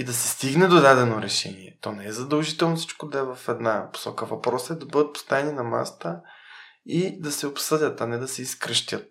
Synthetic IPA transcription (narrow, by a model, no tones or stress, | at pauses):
id̪ɐsɛst̪iɡnɛd̪od̪ad̪ɛnoɾɛʃɛ̰niɛ̰t̪ɔnɛɛzɐd̪ɐlˠʒit̪ɛlˠnofsi̥t͡ʃkod̪ɐɛvɐfɛd̪napo̥sɔkəvɐpɾɔsəɛd̪ɐbɤd̪ət̪̚po̥st̪avɛninɐma̰st̪ə | id̪ɐsɛopsɤd̪ʲət̪ɐnɛd̪ɐsɛiskɾəʃt̪ʲət̪̚